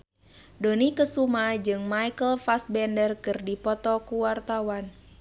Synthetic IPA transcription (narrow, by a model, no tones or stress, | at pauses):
donikəsumad͡ʒɨŋmaijkəlfasbɛndərkɨrdipɔt̪ɔkuwart̪awan